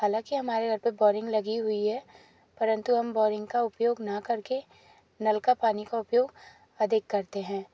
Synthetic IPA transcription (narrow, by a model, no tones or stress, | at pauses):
haːlãːkiɦɐmaːɾeɡʱɐɾpebɔːɾɪ̃ŋɡlɐɡiɦʊiɦɛ | pɐɾə̃nt̪uɦɐmbɔːɾɪ̃ŋɡkaʊpjoːɡnɐkɐɾke | nɐlkapaːnikaʊpjoːɡ | ɐd̪ʱɪkːɐɾt̪eɦɛ̃ː